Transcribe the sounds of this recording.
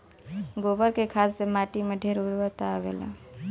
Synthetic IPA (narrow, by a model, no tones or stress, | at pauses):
ɡoːbəɾkekʰaːssemaːʈimẽɖʱeɾuɾʋət̪aʋḛla̰